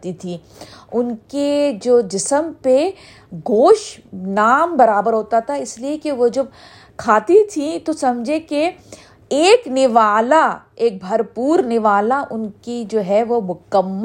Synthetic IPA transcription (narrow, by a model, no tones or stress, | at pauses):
t̪it̪ʰi | ʊnked͡ʒoːd͡ʒɪsəmpe | ɡoːʃnaːmbɐɾaːbəɾɦoːt̪at̪ʰaɪsliekeʋod͡ʒɐb̚ | kʰaːt̪it̪ʰit̪osɐmd͡ʒʱẽke | eːknɪʋaːlaeːk̚bʱɐɾpuːɾnɪʋaːlaʔʊnkid͡ʒoːɦɛʋomʊkəmː